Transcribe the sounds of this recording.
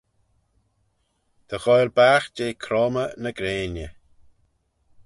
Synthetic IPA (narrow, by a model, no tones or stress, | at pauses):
d̪̥əɣɔjɾbaːxd͡ʒeːkʰɾɔːmənəɡɾeːnjə